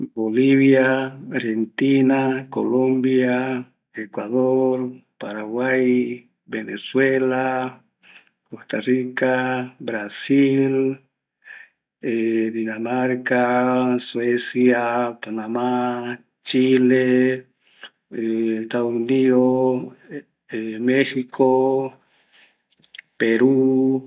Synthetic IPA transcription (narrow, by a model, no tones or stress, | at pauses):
boliβjaaɾhent̪inako̰lombja | ekwaðoɾpaɾaɣwaj | beneswela | kost̪arikabɾasil | ed̪inamaɾkaswesjapanama | t͡ʃile | est̪aðosuniðo | mexikʰo | peɾu